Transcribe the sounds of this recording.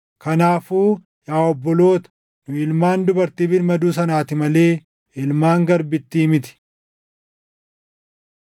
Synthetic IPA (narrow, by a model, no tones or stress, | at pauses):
kɐnaːfuː | jaːɔbːɔlo̞ːt̪ɐ̥ | nʊɪlmaːnd̪ʊbɐɾt̪ɪbɪɾmɐd̪uːs̬ɐnaːt̪ɪmɐle̞ː | ɪlmaːŋɡɐɾbɪt̪ːimɪt̪ɪ̥